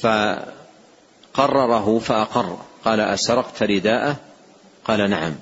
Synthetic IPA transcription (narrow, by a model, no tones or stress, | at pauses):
fa | qɑrˤːɑɾˤɑɦʊfaʔɑqɑrˤːqɑːlaʔasɑɾˤɑqt̪ɾɪd̪aːʔa | qɑːlanaʕam